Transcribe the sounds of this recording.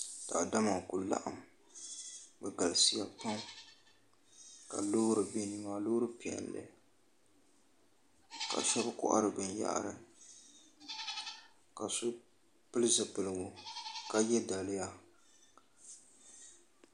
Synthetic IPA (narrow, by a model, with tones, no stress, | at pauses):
d̥a˨da˦ma˨kʊ˨la̰˦ʔa̰˨m | bɛ˨ɡa˨lsi˦ja˨pa˦ŋ˦ | ka̰˨loː˦ɾɨ˨be˦ni˦ma˦lo˦ɾɨ˦pi˨ɛ̰˨nlɨ̰˨ | ka̰˨ʃɛ˦bɨ˦kʊ̰˦ʔa̰˦ɾɨ˨bɨ˨n˦ja̰˦ʔa̰˦ɾɨ˨ | ka˨sʊ˦ | pɨ˦lɨ˦zɨ˨pɨ˨lɨ˨ɡʊ˨ka˦jɛ˦da˨lɪ˦ja˦